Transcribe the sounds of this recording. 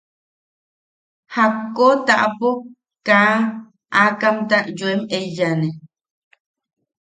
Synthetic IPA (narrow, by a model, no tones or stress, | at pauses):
hakːot̪aʔpo | kã | akamt̪aʔjwemejane